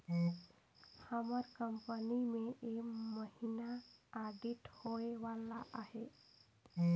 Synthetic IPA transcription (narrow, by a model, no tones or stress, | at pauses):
həməɾkəmpənimẽʔekməɦinaaɖiʈhoeʋalaʔaɦe